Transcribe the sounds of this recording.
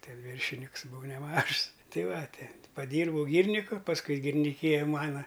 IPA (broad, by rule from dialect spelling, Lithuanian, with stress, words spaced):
ˈtʲɛ ˈʋʲiːrʲʃʲɪnʲɪks bʊˈʋɐʊ nʲɛˈmɐʃs ˈtɐɪ ˈʋɐ ˈtʲɪ pɐˈdʲiːrbɐʊ ˈɡʲiːrʲnʲɪkʊ pɐsˈkʊɪ ɡʲɪrʲnʲɪˈkʲiːjɛ ˈmɑːnɐ